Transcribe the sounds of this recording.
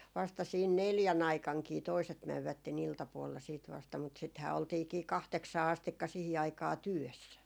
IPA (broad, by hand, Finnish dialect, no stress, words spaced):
ʋɑstɑ siːn neljæn ɑikɑŋkiː toiset mæʋːætːen iltɑpuolːɑ siːt ʋɑstɑ mut sithæː oltiːkiː kɑhteksɑː ɑstikːɑ sihi ɑikɑː tyøsːæ